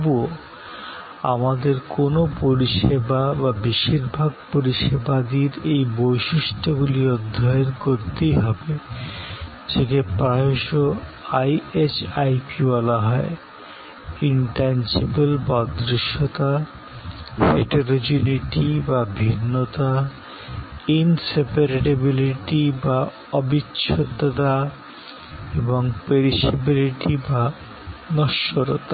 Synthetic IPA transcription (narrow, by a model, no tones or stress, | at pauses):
buo | amad̪eɾkonopoɾiʃebababiʃiɾbʱaɡ̚poɾiʃebad̪iɾejbojʃiʃʈoɡuliod̪ʱːaeɾkoɾt̪ejɦɔbe | d͡ʑʰekepɾaɦoʃoajet͡ɕajpibɔlaɦɔe | iɳʈansibelbad̪ɾiʃot̪a | fḛʈeɾod͡ʑuniʈibabʱinːot̪a | insepaɾeʈebiliʈiba | ɔbitːɕʃʰot̪ːot̪a | eboŋpeɾiʃebiliʈiba | nɔʃoɾot̪a